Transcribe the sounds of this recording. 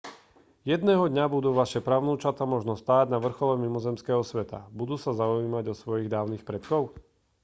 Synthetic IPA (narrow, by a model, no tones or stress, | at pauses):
jɛd̪nɛːɦɔd̪ɲabud̪uːʋaʃɛpɾaʊnuːt͡ʃat̪amɔʒnɔst̪aːɟnaʋr̩xɔlɛmimɔzɛmskɛːɦɔsʋɛt̪a̰bud̪uːsazaʊiːmaɟɔsʋɔjiɣd̪aːʊnixpɾɛt̪kɔʊ